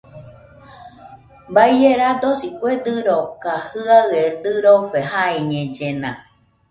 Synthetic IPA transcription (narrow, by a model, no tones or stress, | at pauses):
baijeɾad̪osikʷed̪ɨɾokahɨaɰed̪ɨɾofeɦaiɲẽd͡ʒenã̰